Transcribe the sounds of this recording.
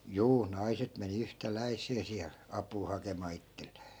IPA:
juː nɑiset meni yhtælæi̯sˑeː siæl ɑpˑuː hɑkemɑː itːell̥e̥ː

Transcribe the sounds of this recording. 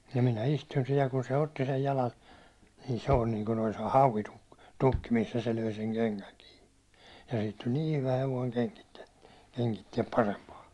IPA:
jɑ minæ istun sihij jɑ kun se otːi sej jɑlɑn ni se olʲ niːŋku olis hɑuʋituk tukːi misːæ se løi seŋ keŋkæŋ kiː jɑ siːt tulʲ niː hyʋæ heʋoiŋ keŋkitːiɛ keŋkitːiɛp pɑrempɑː

